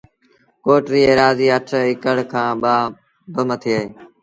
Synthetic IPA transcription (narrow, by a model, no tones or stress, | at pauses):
koːʈɾiːeːɾaːziːəʈʰɪkəɽkʰãːɓaː | bəmət̪ʰiːəːɦeː